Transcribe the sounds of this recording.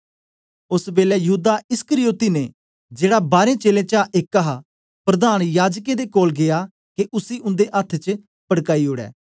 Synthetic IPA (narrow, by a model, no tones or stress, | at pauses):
ʊsbeːlɛːjəɦuːd̪aɪskəɾijoːt̪iːnẽ | d͡ʒeːɽabaːɾẽːt͡ʃeːlẽːt͡ʃaʔekːaɦa | pɾɐd̪aːnjaːd͡ʒkẽd̪ekoːlɡɪaː | keʔʊsiːʔʊ̃nd̪eʔət̪ʰt͡ʃə | pəɽkaːiɦoːɽɛ̰ː